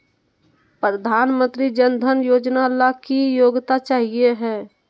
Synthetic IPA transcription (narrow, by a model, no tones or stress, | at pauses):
pɾəd̪ʱaːnmə̃nt̪ɾid͡ʒənd̪ʱənjoːd͡ʒnalakijoːɡt̪at͡ʃaːɦieɦɛː